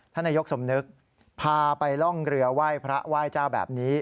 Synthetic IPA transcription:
t̪ʰa˥˩na˧jo˦˥k̚so˩˦mnɯ˦˥k̚ | pʰaː˧pa˧jlɔ˥˩ŋɾɯ˧ɐwaː˥˩jpʰɾa˦˥waː˥˩jt͡ɕaː˥˩wbɛ̰ː˨˩p̚niː˦˥

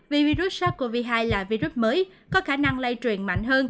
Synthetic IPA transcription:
vi˨˩vi˧zu˦˥t̚saː˦˥ku˧˩əvi˧ɦaː˧jlaː˨˩vi˧zu˦˥t̚məː˨˦jkɔ˨˦xaː˧˩na˧ŋlə˧jt͡ɕwi˨˩ənma̰˧˨jŋ̟ɦəː˧n

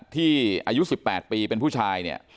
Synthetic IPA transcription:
t̪ʰːiː˥˩ʔaː˧ju˦˥si˨˩pːɛː˨˩t̪̚piː˧pe˧npʰu˥˩t͡ɕʰaː˧jni˥˩ɐ

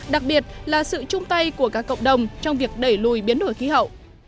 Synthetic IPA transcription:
ɗa˨˩k̚ɓi˨˩ət̚laː˨˩sɨ̰˧˨t͡ɕʊ˧ŋ͡mt̪a˧jku˧˩əkaː˦˥kːə̰˧˨wŋ͡mɗə˨˩wŋ͡mt͡ɕɔ˧wŋ͡mvi˨˩ək̚ɗə˧˩jlu˨˩jɓi˨˦ənɗu˧˩jxi˨˦ɦə̰˧˨wʔ

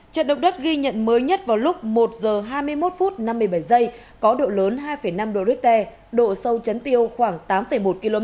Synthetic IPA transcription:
t͡ɕə̰˧˨nɗə˨˧˨wŋ͡m̚ɗə˦˥t̚ɣi˧ɲə̰˧˨nməː˨˦jɲə˦˥t̚vaː˨˩wlʊ˦˥k͡p̚mo˨˩t̚zəː˨˩ɦaː˧jmɨ˧əjmo˦˥t̚fu˦˥t̚na˧mːɨ˧˩əjɓa˧˩jzə˧j | kɔ˨˦ɗo̰˧˨ləː˨˦nɦaː˧jfə˧˩jna˧mɗo̰˧˨zi˦˥k̚t̪ɛ˧ | ɗo̰˧˨sə˧wt͡ɕə˨˦nt̪i˧əwxwaː˧˩ŋt̪aː˨˦mfə˧˩jmo˨˩t̚ki˧lo˧mɛ˦˥

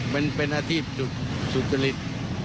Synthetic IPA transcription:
ma˧npe˧nʔa˧t̪ʰiː˥˩p̚su˧t̪̚su˨˧t̪sa˧li˧t̪̚

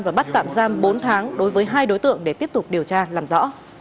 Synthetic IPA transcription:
vaː˨˩ɓa˦˥t̚t̪a̰ː˧˨mzaː˧mɓo˨˦nt̪ʰaː˨˦ŋɗo˨˦jvəː˨˦jɦaː˧jɗo˨˦jt̪ɨ̰˧˨əŋɗe˧˩t̪i˦˥əp̚t̪ʊ˨˩k͡p̚ɗi˨˩əwt͡ɕaː˧laː˨˩mzɔ̰˧˥

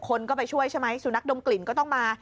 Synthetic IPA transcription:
kʰːo˧nkɔː˥˩pa˧jt͡ɕʰu˥˩əjt͡ɕʰa˥˩jma˦˥jsuː˨˩na˦˥k̚do˧mkli˨˩˦nkɔː˥˩t̪ɔ˥˩ŋmaː˧

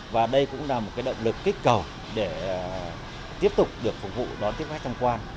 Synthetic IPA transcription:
vaː˨˩ɗə˧jkʊ̰˧˥ŋ͡mlaː˨˩mo˨˩t̚kaː˨˦jɗə̰˧˨wŋ͡mlɨ˨˩kːï˦˥k̟̚kə˨˩w | ɗe˧˩˨ | t̪i˦˥əp̚t̪ʊ˨˩k͡p̚ɗɨ˨˩ək̚fʊ˨˩k̚vṵ˧˨ɗɔ˨˦nt̪i˦˥əp̚a˦˥k̚t̪ʰŋ͡mkwaː˧n

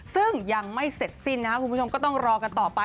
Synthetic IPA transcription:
sɯ˥˩ŋja˧ŋma˥˩jse˨˩t̪̚si˥˩nːa˦˥kʰa˥kʰu˧pʰu˥˩o˧mkɔː˥˩t̪ɔ˥˩ŋɾɔː˧ka˧nt̪ɔː˨˩pa˧

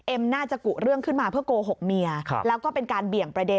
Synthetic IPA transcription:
ʔe˧mnaː˥˩t͡ɕa˨˩ku˨˩ɾɯ˥˩əŋkʰɯ˥˩nmaː˧pʰɯ˥˩əkoː˧ɦo˨˩k̚mi˧ɐ˧lɛː˦˥wkɔː˥˩pe˧nkaː˧nbi˨˩əŋpɾa˧de˧

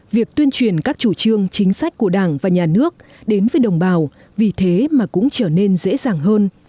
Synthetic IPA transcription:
vi˨˩ək̚t̪wi˧ənt͡ɕwi˨˩ənkaː˦˥k̚t͡ɕu˧˩t͡ɕɨ˧əŋt͡ɕï˨˦ŋ̟sa˦˥jk̟̚ku˧˩əɗaː˧˩ŋvaː˨˩ɲaː˨˩nɨ˦˥ək̚ | ɗe˨˦nvəː˨˦jɗə˨˩wŋ͡mɓaː˨˩w | vi˨˩t̪ʰe˨˦maː˨˩kʊ̰˧˥ŋ͡mt͡ɕəː˧˩ne˧nzḛ˧˥zaː˨˩ŋɦəː˧n

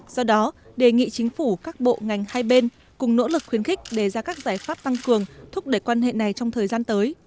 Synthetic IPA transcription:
z̥ɔ˧ɗɔ˨˦ɗe˧˩ŋḭ˧˨t͡ɕï˨˦ŋ̟fu˧˩kaː˦˥k̚ɓo̰˧˨ŋa˨˩jŋ̟haː˧jɓe˧n | kʊ˨˩ŋ͡mno̰˧˥lɨ˨˩k̚xwi˨˦ənxɪ̈˦˥k̟̚ɗe˧˩zaː˧kaː˦˥k̚zaː˧˩jfaː˦˥p̚t̪a˧ŋkɨ˨˩əŋt̪ʰʊ˦˥k͡p̚ɗe˧˩jkwaː˧nɦḛ˧˨na˨˩jt͡ɕɔ˧wŋ͡mt̪ʰəː˨˩jzaː˧nt̪əː˨˦j

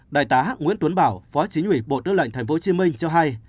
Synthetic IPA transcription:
ɗa̰ː˧˨jt̪aː˨˦ɦ̚ŋwḭ˧˥nt̪wə˨˦nɓaː˧˩wfɔ˨˦t͡ɕi̟˨˦hwi˧˩ɓo̰˧˨t̪ɨː˧lə̰˧˨ŋ̟t̪ʰŋ̟fo˨˦t͡ɕi˨˦mï˧ŋ̟t͡ɕɔ˧ɦa˧j

